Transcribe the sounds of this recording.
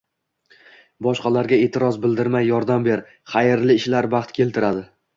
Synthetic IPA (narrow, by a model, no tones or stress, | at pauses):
bɒʃqɑlaɾɡʲae̞t̪ʰɪɾɒzbɪld̪ɪɾmajːɒɾd̪ambe̞ɾ | χajɪɾlɪɪʃlaɾbɑχt̪kʲe̞lt̪ʰɪɾad̪ɪ